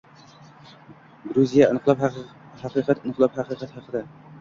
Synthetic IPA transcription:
ɡɾuzijaɨnqlˠɑphaqɨːqʰɑt̪ɨnɨqlˠɑphɑqɨqɑt̪hɑqʰəd̪a

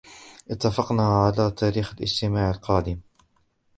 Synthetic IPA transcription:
ʔɪt̪ːafɑqnaʕalaːt̪ʰaːɾiːxalʔɪ̰d͡ʒt̪ɪmaːʕalqɑːd̪ɪm

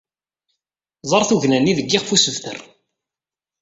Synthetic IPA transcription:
zˤəɾˤθuʝnænːiðəɡːɪʁfusəvθə̰r

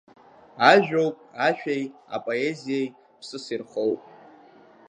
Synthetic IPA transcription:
aʒᶣo̞wpʼaʃᶣaja̰pʼo̞e̞zijej | pʰsɨsirχowpʼ

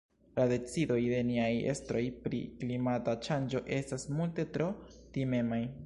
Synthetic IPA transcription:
lade̞t͡sido̞jde̞niaje̞̰stɾo̞jpɾḭklimatat͡ʃand͡ʒo̞ʔe̞stasmulte̞tɾo̞time̞maj

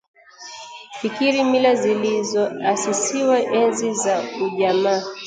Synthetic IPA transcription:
fikiɾimilazilizɔasisiwaʔɛnzizauʄamaː

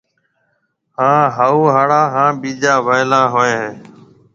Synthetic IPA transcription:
ɦhãːɦaːuːɦaːɽaːɦãːɓiːd͡ʒaːʋəɪlaːɦoːẽːɦẽː

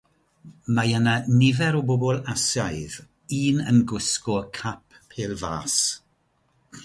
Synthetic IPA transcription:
majənanɪvɛɾɔbɔbɔlˠasajð | iːnə̰nɡʊskɔkʰap̚ʰeːlˠva̰ːs

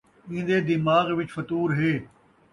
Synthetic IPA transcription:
ĩːd̪eːd̪ɪmaːɣʋɪt͡ʃfɐt̪uːɾɦeː

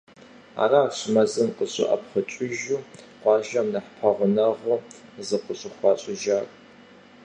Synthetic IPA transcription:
a̰ːraɕʼmɐzɨnqʼəɕʼɪ̰ʔɐ̰pχət͡ʃʼʊʒuː | qʷɑːʒɐmnɐħpʰɐʁʷʊnɐʁəzɨqʼəɕʼɪχʷɑːɕʼɪʒaːkʼ

